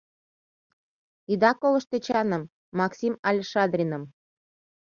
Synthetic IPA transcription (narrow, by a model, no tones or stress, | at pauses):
id̪ɑkolə̆ʃt̪et͡ɕɑnɤ̆mː | ɑksʲimɑlʲʃɑd̪rʲinə̆m